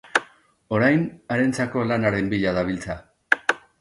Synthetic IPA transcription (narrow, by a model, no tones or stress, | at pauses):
o̞ɾajnaɾe̞nt͡sako̞lanaɾe̞mbiʎaðaβ̞ilt͡sa